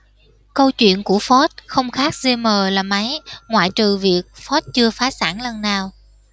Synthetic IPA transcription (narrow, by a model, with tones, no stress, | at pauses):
kə˧wt͡ɕwḭ˧˨ənku˧˩əfɔ˦˥t̚xə˧wŋ͡mxaː˦˥k̚ze˧məː˨˩laː˨˩ma˨˦jŋwa̰ː˧˨jt͡ɕɨ˨˩vi˨˩ək̚fɔ˦˥t̚t͡ɕɨ˧əfaː˨˦saː˧˩nlə˨˧˩nnaː˨˩w